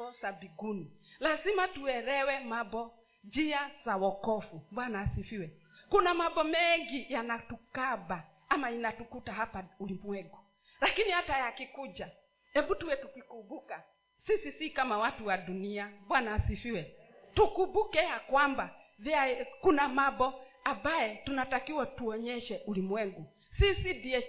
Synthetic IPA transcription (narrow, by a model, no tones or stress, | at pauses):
ɔsabiɡunilazimatuɛɾɛwɛmabɔ | d͡ʒiasawɔkɔfubwanaːsifiwɛ | kunamabɔmɛŋɡijanatukabaː | mainatukutaɦapaulimuɛɡɔ | lakinihatajakikud͡ʒa | ɛbutuwɛtukwikubuka | sisisikamawatuwaduniabwanaːsifiwɛ | tukubukɛjakwambaviaɛkunamabɔabaɛtunatakiwatuɔɲɛʃɛʔulimwɛɡu | sisidiɛ